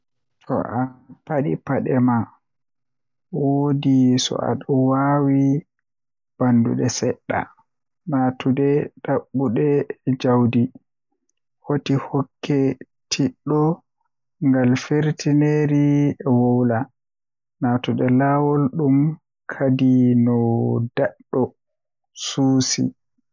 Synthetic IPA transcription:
tʰɔ̰ʔapaɗḭpaɗɛma | wodisɔ̰a̰ɗɔwawi | b̥andṵɗɛsɛɗːa̰ | natudɛɗaɓːuɗɛd͡ʒawdi | hotihɔkːɛ | tʰiɗːɔ | ŋɡalfeɾtineɾiɛwɔwla | natuɗɛlawɔlɗum | kʰadinɔdaɗːɔ | suːsḭ

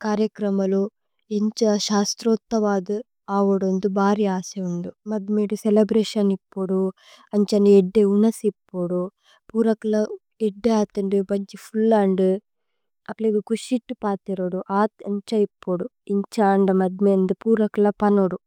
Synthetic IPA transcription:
kaːɾjɐkɾɐmɐlu | eɲt͡ʃɐʃaːst̪ɾoːt̪ːɐʋaːd̪u | aːʋuɽund̪ubʱaːɾiaːseund̪umɐd̪miːɽuselɐbɾeːʃɐnipːuɽu | ɐɲt͡ʃɐnieɖːeunɐsipːuɽu | puːɾɐkɐlɐ | eɖːeaːt̪ɐɳɖibɐɲd͡ʒipʰulːaːɳɖ | ɐplebikuʃiʈːupaːt̪iɾoɽuʔaːt̪ɐɲt͡ʃɐipːoɽuiɲt͡ʃaːɳɖɐmɐd̪̚meːnd̪upuːɾɐkɐlɐpɐnoɽu

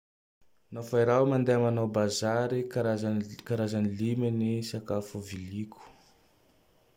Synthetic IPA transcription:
nafaiɾawmand̪eamanawbazaɾikaɾazakaɾazanilimənisakafuvilikʰu̥

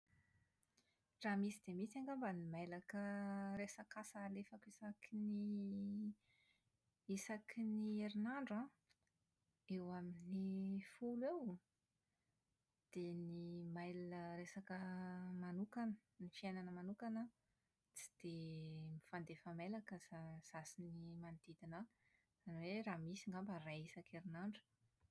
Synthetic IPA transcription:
ramisid̪̥emit͡saŋɡambanimejlakəresakasalefakisakini | isakʰinieɾinaɳɖ͡ʐã | ewaminifulew | d̪̥enimajləɾesakəmanukanənifiajnanəmanukanə | t͡si̥d̪̥emifand̪efamelakəaz̥asinimand̪̥id̪inə | z̥aniweraːmisiŋɡambəraisakʰeɾinaɳɖ͡ʐu̥

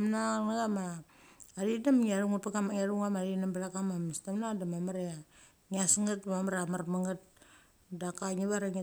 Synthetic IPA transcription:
mnaaŋaɡamaː | ɾidamŋiaɾuŋupakamaŋaɾuŋamaɾinambalakamamistamnadamamaɾea | ŋiasŋat̚mamaɾamarmaŋat̚ | dakaɲiβaɾaŋe

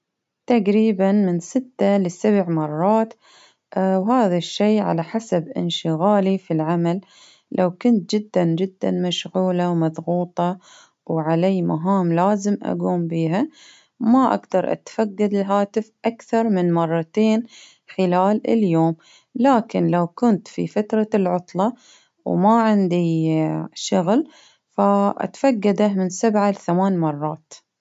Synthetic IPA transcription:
t̪aqɾiːbanmɪnsɪt̪ːalɪsabʕmɑrˤːɑːt̪ | whaːðaʃːeːʕa̰laħasabʔɪ̰nʃɪɣaːlifilʕamal | lʔawkʊnt̪̚d͡ʒɪd̪ːand͡ʒɪd̪ːa̰nmaʃɣuːlawmɑðˤɣuːt̪ˤɑ | wʕaleːmaɦaːmlaːzɪmʔa̰ɡuːmbiːɦa | maʔa̰ɡd̪ɑɾˤʔa̰t̪faɡːad̪ɪlɦaːt̪ɪfʔakθɑɾˤmɪnmɑrˤːɑt̪eːn | ħɪlaːlɪ̰ljoːm | laːkɪnlawkʊnt̪fḭfat̪ɾˤɑlʕʊt̪ˤlɑ | wmaʕɪnd̪i | ʃʊɣl | faʔa̰t̪faɡːad̪amɪnsabʕalɪθamaːnmɑrˤːɑːt̪

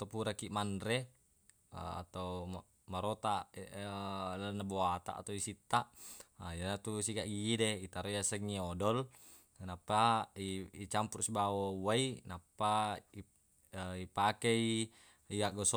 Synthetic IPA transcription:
t̪opuɾakiʔmandɾḛ | a̰t̪au | maɾot̪a | lalnːaboat̪a̰ʔːt̪aisit̪ːaʔd͡ʒanat̪usiɡaʔɡiːdeit̪aɾojasəŋːiɔdɔl | napːaiit͡ʃampursibawowainapːai | ipakei | iaʔɡɔs

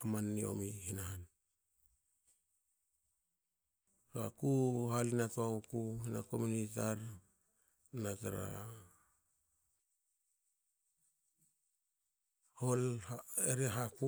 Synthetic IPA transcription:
amanːio̰mihinahan | ɾa̰kuɦalinatuaukuhinako̞munit̬aɾ | nataɾa̰ | holhaeɾeɦaku

